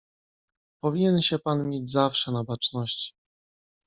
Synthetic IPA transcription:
pɔvʲiɲɛnɕɛpanmʲjed͡ʑzafʂɛnabat͡ʂnɔɕt͡ɕi̥

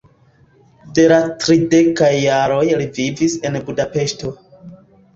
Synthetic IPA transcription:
de̞latɾide̞kajːaɾo̞jlivivise̞nbudape̞ʃto̞

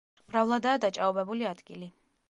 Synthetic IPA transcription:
m̥ɾavlˠad̪aːd̪at͡ʃʼaɔbɛbuliad̪ɡili

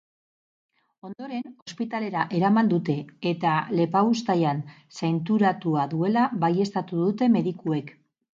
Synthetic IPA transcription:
o̞nd̪o̞ɾe̞no̞spit̪ale̞ɾaʔe̞ɾamand̪ut̪e̞ːt̪ale̞paust̪ajan | sajnt̪uɾat̪uaðue̞laβaje̞st̪at̪uðut̪e̞me̞ðikue̞k

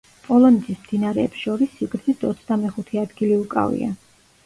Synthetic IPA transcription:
pʼɔlˠɔnɛt̪ʰismd̪̥inaɾɛːpsʃɔɾisːiɡɾt̪zʰisd̪ɔt̪sʰd̪amɛχut̪ʰɛad̪ɡiliukʼa̰vḭa̰

